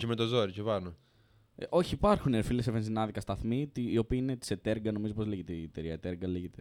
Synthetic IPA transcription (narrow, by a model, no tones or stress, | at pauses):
cemet̪o̞zoɾicevɐɾno | ʔo̞çiːpɐɾxuneɾfilesevensinɐðikɐst̪ɐθmit̪iːo̞piːinet̪i̥se̞t̪e̞ɾɡɐno̞mizopo̞zliʝet̪eiet̪eɾiɐet̪eɾɡɐliʝet̪e